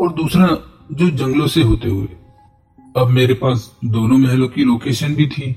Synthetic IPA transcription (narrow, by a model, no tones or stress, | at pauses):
ɔːɾd̪uːsɾa | d͡ʒoːd͡ʒɐ̃ŋɡlõseɦoːt̪eɦʊḛ | ɐbmeːɾepaːsd̪oːnõmɛɦlõkiloːkeːʃənbʱit̪ʰiː